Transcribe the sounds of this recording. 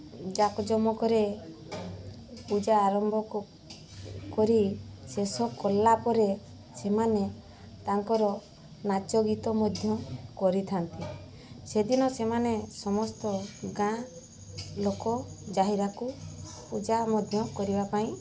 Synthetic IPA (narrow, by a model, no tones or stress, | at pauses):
d͡ʒakɔd͡ʒɔmɔkɔɾe | pud͡ʒaːɾɔmbʱɔku | kɔɾisesɔkɔlːapɔɾe | semane | t̪aŋkɔɾɔ | nat͡ʃɔɡit̪ɔmɔd̪ʱjɔkɔɾit̪ʰant̪i | sed̪inɔsemanesɔmɔst̪ɔɡã | lokɔd͡ʒaɦiɾaku | pud͡ʒamɔd̪ʱjɔkɔɾibapaĩ